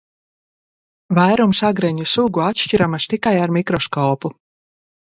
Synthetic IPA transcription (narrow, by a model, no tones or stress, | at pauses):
vajɾumsaɡɾɛɲusuɡuat̪ʃciɾamast̪ikajaɾmikɾɔskɔːpu